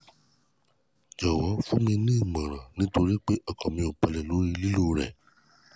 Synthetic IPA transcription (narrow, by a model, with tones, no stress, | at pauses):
d͡ʒɔ˨wɔ˨˦fũ˦mĩ˧nĩ˦i˦˨mã˨ɾ̃ã˨nĩ˨˦to˧ɾi˦k͡pe˦ʔɔ˦˨kɔ̃˨mĩ˧o˨k͡pa˧lɛ˨lo˨˦ɾi˧li˦lo˦ɾɛ̰˨